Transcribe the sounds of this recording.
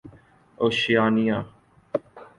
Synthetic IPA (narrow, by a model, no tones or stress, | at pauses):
oːʃjaːnijãː